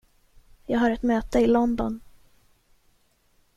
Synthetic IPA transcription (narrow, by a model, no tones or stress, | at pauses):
jɑːɡɦaɾɛt̪møːt̪əɪlɔnd̪ɔn